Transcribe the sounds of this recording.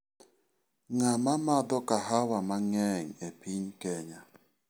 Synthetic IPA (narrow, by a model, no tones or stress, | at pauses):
ŋamamadɔkaɦawamaŋɛŋ̩epiɲkɛɲa